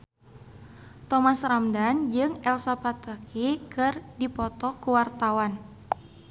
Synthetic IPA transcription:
t̪ɔmasramdand͡ʒɨŋɛlsapat̪əkikɨrdipɔt̪ɔkuwart̪awan

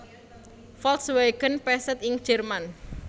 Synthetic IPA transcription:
fɔlt̪sweɡ̥ənpɛsət̪̚ɪŋ̥ʒ̥ɛrman

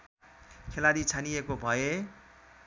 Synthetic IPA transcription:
kʰelaɾit͡sʰaniekobʱʌje

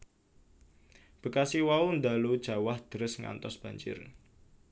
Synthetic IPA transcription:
b̥ə̤kasiwaund̪alud̥ʒ̥a̤wahd̪̥əɾʊsŋa̰nt̪ɔsb̥ä̤ɲt͡ʃɪ̰r

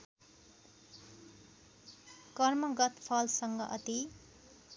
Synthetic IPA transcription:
kʌrmʌɡʌt̪pʰʌlsʌŋɡʌʔʌt̪i

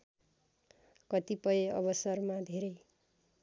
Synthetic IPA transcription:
kʌt̪ipʌjeʌbʌsʌrmad̪ʱeɾʌj

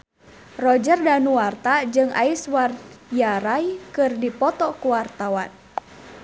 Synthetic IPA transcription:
rɔd͡ʒərdanuwart̪ad͡ʒɨŋʔa̰iswarjaɾajkɨrdipɔt̪ɔkuwart̪awa̰n

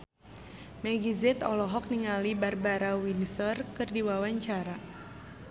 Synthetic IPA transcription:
mɛɡizɛt̪ɔlɔɦɔk̚niŋalibarbaɾawinsɔrkɨrdiwawaɲt͡ʃaɾa

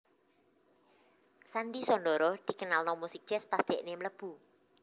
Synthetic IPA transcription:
sand̪isɔnɖɔɾɔd̪̥i̤kənalnɔmɔsik̚dd͡ʒ̥ɛspasd̪̥ɛ̤ʔnemələb̥ṳ

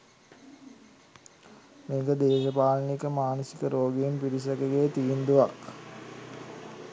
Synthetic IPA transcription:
meːɡəd̪eːʃəpaːlənikəmaːnəsi̥kəɾoːɡiinpiʈis̬ɐkeɡeːt̪iːnd̪uʋak

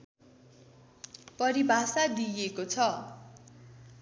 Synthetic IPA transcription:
pʌɾibʱasad̪ijekot͡sʰʌ

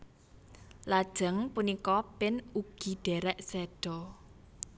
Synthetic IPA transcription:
lad̥ʒ̥ə̤ŋpunikɔpɪnuɡ̥i̤ɖ̥ɛɾɛʔsɛɖ̥ɔ̤

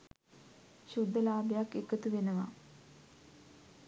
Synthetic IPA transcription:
ɕud̪ʱːəlaːbejakːekət̪uʋenəʋa̰

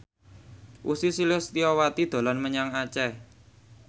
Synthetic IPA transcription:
ʔusisilʊst̪iɔwat̪id̪̥o̤lanməɲaŋat͡ʃɛ

